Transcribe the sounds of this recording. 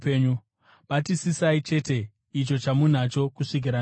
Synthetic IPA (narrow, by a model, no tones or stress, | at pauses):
peɲu | ɓatisisait͡ʃe̞ːte̞ | it͡ʃo̞t͡ʃamun̤at͡ʃo̞kuʂik̬iɾa